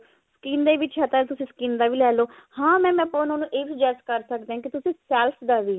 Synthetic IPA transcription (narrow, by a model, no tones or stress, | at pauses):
skiːnd̪eːʋɪt͡ʃɛt̪ət̪ʊsĩːskiːnd̪aːʋiːlɛːloːhãːmɛ̃ːmɛ̃ːpːnaʊːnũːʔeːʋiːd͡ʒɛːskəɾsək̚d̪eːɦãːkit̪ʊsĩːsɛːlpʰd̪aːʋiː